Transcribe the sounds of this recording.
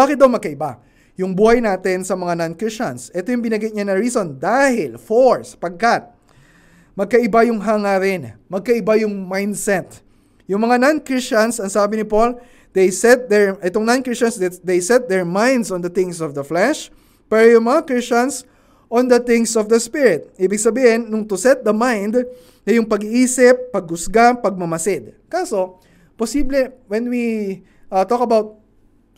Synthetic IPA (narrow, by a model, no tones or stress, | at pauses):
aːkɪt̪̚d̪ɐwmɐɡkɐʔɪba | jʊŋbuːhɐjnaːt̪ɪnsɐmɐŋanankɹɪst͡ʃɐnsʔɛt̪ojʊŋbɪnɐɡɪt̪̚ɲanɐɹiːso̞nd̪aːhɪlfoɹsɐ̥pɐɡ̚kat̪̚ | mɐɡ̚kɐʔɪbajʊŋɦaŋaɾɪnmɐɡ̚kɐʔɪbajʊŋmajnd̪sɛt̪ | jʊŋmɐŋanankɹɪst͡ʃɐnsɐŋsaːbɪnɪpol | d̪̥ejsɛt̪̚d̪ɛɹʔɛt̪oŋnankɹist͡ʃɐnsdd̪ejsɛt̪̚d̪ɛɹmãjnd̪sɔ̃nd̪ɐt̪ɪ̃ŋsɔvd̪ɐflɛʃ | pɛɾojʊŋmɐŋakɹist͡ʃɐns | ʔɔ̃nd̪ɐθɪ̃ŋsɔvd̪ɐspiɹɪt̪̚ʔiːbɪɡ̚sɐbiːhɪnːʊŋt̪ʊsɛt̪̚d̪ɐmajnd̪ | nɐjʊŋpɐɡiʔiːsɪpːɐɡ̚ʊsɡapɐɡ̚mɐmɐsɪd̪̚kaːso̞ | posiblɛwɛnwi | ʔɐt̪okɐbawt̪̚